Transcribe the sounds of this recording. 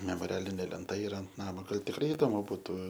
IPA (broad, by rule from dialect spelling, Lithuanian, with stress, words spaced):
mʲɛmoːˈrʲæːlʲɪnʲeː lʲɛnˈtɐ ɪˈrɐ ɐnt ˈnɑːmoː ˈɡɐlˠ tʲɪkˈrɐɪ ɪˈdoːmʊ bʊˈtʊ